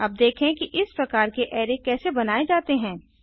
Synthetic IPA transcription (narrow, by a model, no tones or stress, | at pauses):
ɐb̚d̪eːkʰẽkiʔɪspɾɐkaːɾkeʔɛːɾekɛːsebɐnaːed͡ʒaːt̪eɦɛ̃ː